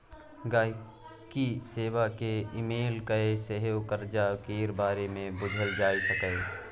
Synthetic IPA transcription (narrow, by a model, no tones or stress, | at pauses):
ɡaːɦ | kiseːwakeɪmeːlkəeseɦjokəɾd͡ʒakeːɾbaːɾemẽbʊd͡ʒʱəld͡ʒaːisəkəe